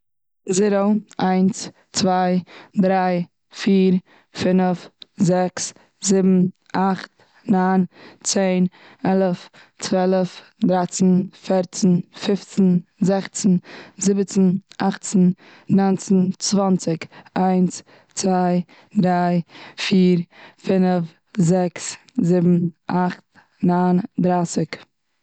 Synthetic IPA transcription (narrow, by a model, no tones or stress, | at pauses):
zɪɾoaɪns | t͡svaɪdɾaɪ | fiːɾ | fɪnəfzɛks | zɪbm̩ | aχt̚ | naːnt͡seɪn | ɛlˠəf | t͡svɛlˠəf | dɾat͡sn̩fɛɾt͡sn̩fɪft͡sn̩zɛχt͡sn̩zɪbət͡sn̩ʔaχt͡sn̩ | nɔɪnt͡sn̩t͡svɔnt͡sɪkaɪns | t͡svaɪ | d̪ɾaɪfiːɾfɪnəf | zɛks | zɪbm̩ʔaχt̚ | nand̪ɾaːsɪk